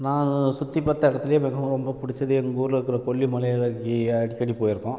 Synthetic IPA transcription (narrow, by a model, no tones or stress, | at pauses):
nãːsʊt̪ːipːɐt̪ːɐɪɽɐt̪ːɪlɐjɐ̃mɛɣɐʋɐ̃ɾɔmbɐpʊɽɪt͡ʃːɐðɯɛŋɡoːɾɾɯkːɯɾɐkɔɭːimɐlɐjɐɭɐkiɐɽɪkːɐɽipoːjɪɾɯkːʊ̃